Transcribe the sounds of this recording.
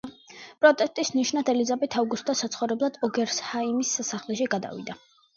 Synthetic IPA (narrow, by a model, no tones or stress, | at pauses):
pʼɾɔt̪ʼɛst̪ʼisniʃnad̪ɛlid̪zabɛt̪ʰauɡusd̪asat̪sʰχɔvɾɛblˠad̪̥ɔɡɛɾshaimissaχlɛʃiɡad̪a̰vḭd̪a